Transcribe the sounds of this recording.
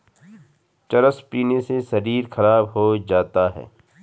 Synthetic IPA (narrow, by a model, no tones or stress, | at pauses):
t͡ʃɐɾəspiːnesesɐɾiːɾxɐɾaːbɦod͡ʒaːt̪aɦɛ̰ː